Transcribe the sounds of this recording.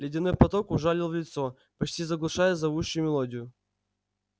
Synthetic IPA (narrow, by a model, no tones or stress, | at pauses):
lʲɪdʲɪnɨpɐt̪okʊʐalʲɪlˠvlʲɪt̪so | pɐt͡ɕtʲizɐɡlˠʊʂajəzɐvuɕːʊjʊmʲɪlˠodʲɪjʊ